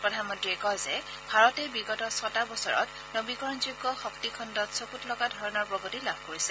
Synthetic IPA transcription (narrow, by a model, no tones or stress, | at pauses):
pɹɔdʱanmɔntɹiɛkɔjzɛ | bʱaɹɔtɛbiɡɔtɔsɔtabɔsɔɹɔ̰t | nobikɔɹɔnzuɡːɔxɔktikʰɔndɔtsokutlɔɡadʱɔɹɔnɔɹpɹɔɡotilab̥̚koɹisɛ